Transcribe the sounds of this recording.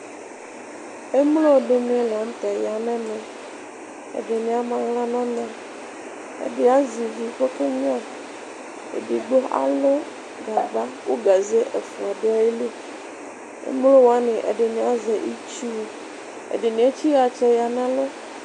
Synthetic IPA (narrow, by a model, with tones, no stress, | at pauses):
e˦mlo˦˨ɖe˦mĩ˦la˨ŋ̩˦t̪a˨ja˨nɛ̃˦nɛ̃˨ | ḛ˨ɖe˨nĩ˨˦a˦mã˨ɣla˦nã˦nã˨ | ḛ˨ɖe˦a˦zi˨vi˨ɸo˦ke˦ɲ˦a˨ | ḛ˨di˨ɡ͡bo˦ʔa̰˨lo˦ | ɡa˨ɡ͡ba˦wo˦ɡa˨ze˦ʔe˨fũ˨a˨ɖe˦a˨ji˦le˦ | ḛ˦mlo˦wo˨a˦nẽ˨ʔḛ˨ɖe˨nĩ˨˦a˦ze˨ʔi˦t͡ʃi˦o˨ | ḛ˨ɖe˨nĩ˦e˦t͡ɕi˦ɣa˨t͡ʃɛ˦ja˨nã˦lo˦